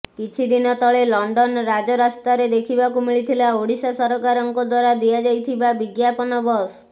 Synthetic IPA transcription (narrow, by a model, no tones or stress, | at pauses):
kit͡ʃʰid̪inɔt̪ɔɭelɔɳɖɔnɾad͡ʒɔɾast̪aɾed̪ekʰibakumiɭit̪ʰilaoɽisasɔɾɔkaɾɔŋkɔd̪waɾad̪ijad͡ʒajt̪ʰibabiɡjapɔnɔbɔs